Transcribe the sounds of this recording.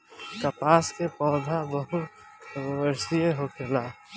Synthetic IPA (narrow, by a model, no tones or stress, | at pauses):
kəpaːskepɔːd̪ʱabəɦu | əɾsieɦokʰelaː